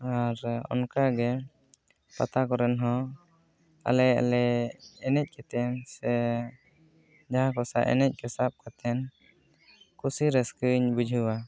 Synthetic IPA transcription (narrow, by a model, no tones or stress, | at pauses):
aɾɔ̰nkaɡɛ | pa̰t̪akɔɾɛnɦɔ | a̰lɛa̰lɛɛnɛc̚ˀkɛt̪ɛnsɛ | d͡ʒaɦakɔsa̰ʔɛ̰nɛc̚ˀkɛsap̚kat̪ɛn | kusiɾɛskəɲbud͡ʒʱuwa